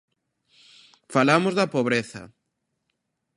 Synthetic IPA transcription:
falamʊzðɐpoβɾeθɐ̰

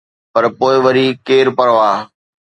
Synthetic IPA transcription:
pɐɾpoːɪʋɐɾiːkeːɾpɐɽʋaː

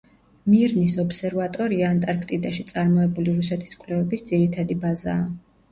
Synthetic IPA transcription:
miɾnisɔpsɛɾvat̪ʼɔɾiaːnt̪ʼaɾkʰt̪ʼid̪aʃit̪sʼaɾmɔɛbuliɾusɛt̪ʰi̥skʼlɛvɛbisd̪ziɾit̪ʰad̪ibazaː

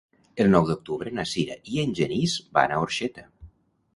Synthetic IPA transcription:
əlˠnɔwd̪ok̚t̪uβɾənasiɾaʔienʲʒenizba̰naoɾʃet̪a

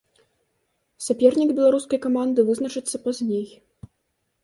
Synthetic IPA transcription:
sʲapʲɛrnʲiɡbʲɛlˠaɾuskɐjkamand̪ɨvɨznɐt͡ʂɨt̪sːɐpazʲnʲej

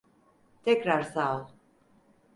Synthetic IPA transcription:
t̪ʰɛkɾaɾsal

